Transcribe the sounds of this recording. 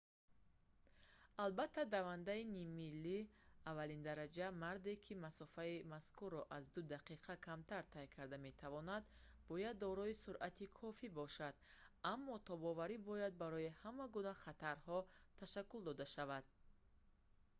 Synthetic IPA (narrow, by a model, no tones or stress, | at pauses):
albat̪ʰːad̪avand̪ainimilːiavːalind̪aɾad͡ʒamaɾd̪e̞kʰimasɔfaimaskuɾːɔʔazd̪ud̪aqʰiqʰakʰamt̪ʰaɾt̪ʰajkʰaɾd̪ame̞t̪ʰavɔnad̪ | bɔjad̪ːɔɾɔisuɾʔat̪ʰikʰɔfibɔʃad̪amːɔt̪ʰɔbɔvaɾibɔjad̪̚baɾɔihamaɡunaχat̪ʰaɾhɔt̪ʰaʃakːuld̪ɔd̪aʃavad̪̥̚